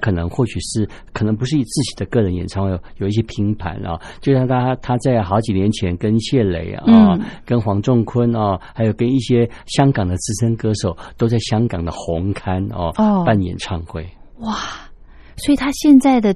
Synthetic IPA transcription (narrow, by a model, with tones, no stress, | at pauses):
kʰɤ˨˩nɤ˧˥ŋxwɔ˥˩ɕy˨˩ʂɻ̩˥˩ | kʰɤ˨˩nɤ˧˥ŋpu˧˥ʂɻ̩˥˩i˨˩t͡sɹ̩˥˩t͡ɕi˨˩d̪ə˦kɤ˥˩ɻə˧˥njɛ˨˩nʈ͡ʂʰɑ˥˩˧wjo˨˩ʊi˥˩ɕjɛ˥pʰi˧˥ŋpʰa̰˧˥nʔɐ̰˧t͡ɕjo˥˧ɕjɑ˥˧t̪ʰa˥t̪ʰa˥t͡sa˥˩ɪxɑ˧˥ʊt͡ɕi˨˩njɛ˧˥nt͡ɕʰjɛ˧˥nkə˥nɕjɛ˥˩lḛ˧˥ɪɐ˧˩kə˥nxwɑ˧˥ŋʈ͡ʂʊ˥˩ŋkʰwə˥nɐ˥˧xa˧˥ɪjo˨˩ʊkə˥ni˥˩ɕjɛ˥ | ɕjɑ˥ŋkɑ˨˩ŋd̪ə˦t͡sɹ̩˥ʂə˥ŋkɤ˥ʂo˨˩ʊt̪o˥ʊt͡sa˥˩ɪɕjɑ˥ŋkɑ˨˩ŋd̪ə˦xʊ˧˥ŋkʰa˥nɐ̰˧˥˧pa˥˩njɛ̰˨˩nʈ͡ʂʰɑ˥˧ŋxwe˥˩ɪ | wa˥˩ | swɔ˧˥i˨˩t̪ʰa˥ɕjɛ˥˧nt͡sa˥˩ɪd̪ə˩